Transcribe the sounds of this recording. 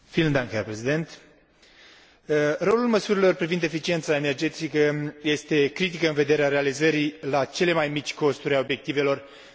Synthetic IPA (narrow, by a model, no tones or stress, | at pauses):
fiːlɨnd̪aŋkherpɾe̞zid̪e̞nt̪ | ro̞lulməsuɾilo̞rpɾivind̪e̞fit͡ʃie̞nt̪sae̞ne̞rd͡ʒe̞t̪ikəje̞st̪e̞kɾit̪̬ikəɨnve̞d̪e̞ɾeaɾe̞alizəɾilat͡ʃe̞le̞majmit͡ʃʲko̞st̪uɾʲajo̞bjek̚t̪ive̞lo̞r